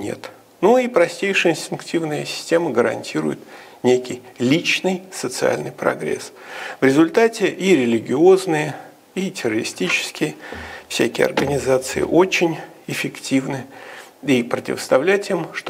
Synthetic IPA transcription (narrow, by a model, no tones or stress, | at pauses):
nʲḛt̪ | nuipɾɐsʲtʲejʂɨjəɪnsʲtʲɪnktʲivnɨjəsʲɪ̥sʲtʲeməɡəɾɐ̰nʲtʲiɾʊ̰jɪ̰t̪ | nʲekʲɪjlʲit͡ɕnɨjsət̪sɨa̰lʲnɨjpɾɐ̰ɡɾʲḛsvɾʲɪzʊlʲt̪atʲɪʔiɾʲɪlʲɪɡʲɪo̞znɨjə | itʲɪrəɾʲɪsʲtʲit͡ɕɪ̥skʲɪjəfsʲækʲɪjɐ̰rɡənʲɪzat̪sɨjɪ̰ʔo̞t͡ɕɪnʲɪfʲɪktʲivnɨipɾətʲɪ̰vəst̪ɐvlʲætʲɪmʂt̪